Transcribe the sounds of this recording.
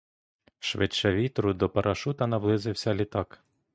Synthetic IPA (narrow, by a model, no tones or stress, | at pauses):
ʃʋɪ̰t͡ʃːɛʋʲit̪ɾʊd̪ɔpɐɾʔɐʃut̪ɐnɐʋlˠɪzɪwsʲɐlʲit̪ɑk